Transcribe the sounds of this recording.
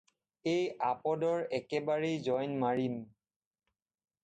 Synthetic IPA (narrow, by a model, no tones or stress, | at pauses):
ejapɔdɔɹɛkɛbaɹejzɔjnmaɹim